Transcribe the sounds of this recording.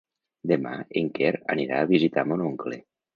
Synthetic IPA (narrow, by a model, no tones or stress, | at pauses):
d̪ema̰eŋkeɾa̰niɾa̰ːβizit̪amonoŋkle